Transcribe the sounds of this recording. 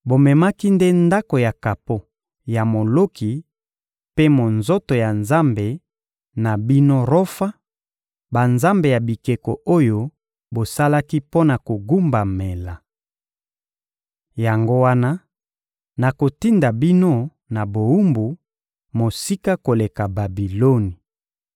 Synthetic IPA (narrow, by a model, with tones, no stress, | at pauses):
bo˨mɛ˨ma˦ki˦nde˦nda˦ko˨ja˨ka˨po˦ | ja˨mo˨lo˦ki˨ | pe˦mo˨nzo˦to˨ja˨nza˦mbe˨ | na˨bi˦no˦ʁo˦fa˦ | ba˨nza˦mbe˨ja˨bi˨ke˨ko˨ʔo˦jo˦ | bo˨sa˦la˦ki˦po˦na˨ko˨ɡu˦mba˨me˨la˨ | ja˨ŋɡo˦wa˦na˦ | na˨ko˨ti˦nda˨bi˦no˦ | na˨bo˨u˦mbu˨ | mo˨si˦ka˦ko˨le˨ka˨ba˨bi˨lo˦ni˨